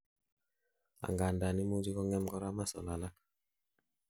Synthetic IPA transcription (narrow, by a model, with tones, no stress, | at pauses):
a̰˨ŋɡa˨nda˨ni˦mu˦d͡ʒi˦kɔ˦ŋɛ˦mkɔ˦ɾa˦ma˦sɔ˨la˨la˦k